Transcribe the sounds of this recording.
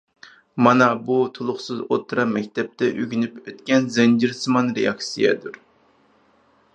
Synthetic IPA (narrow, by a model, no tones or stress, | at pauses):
mɑnɑbut̪ʰolˠʊχsɨzo̰t̪ʰːɾɑnmɛkʲt̪ɛp̚t̪ʰɛʔyɡʲynypøt̪kʲɛnzɛnd͡ʒiɾsɨmɑnɾejɑksijɛ̰d̪uɾ